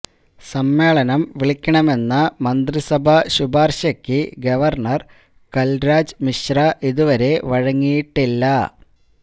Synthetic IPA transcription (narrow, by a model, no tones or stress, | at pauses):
sɐmːe̞ːɭɐnɐmʋiɭikʲːɐɳɐme̞nːɐmɐnd̪risɐbʱɐɕubaːrɕɐkʲːɨɡɐʋɐrɳɐr | kɐlɾaːd͡ʑɨmiɕrɐʔiðuʋɐɾe̞ʋɐɻɐŋːijiʈːilːɐ